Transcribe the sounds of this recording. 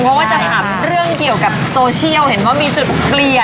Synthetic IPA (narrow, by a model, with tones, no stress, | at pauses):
ɔ˦˥waː˥˩t͡ɕa˨˩t̪ʰa˧˩mɾɯ˥˩əŋki˨˩əwka˨˩p̚soː˧t͡ɕʰi˥˩əwhe˩˦nwaː˥˩miː˧t͡ɕu˨˩t̪̚pli˨˩ə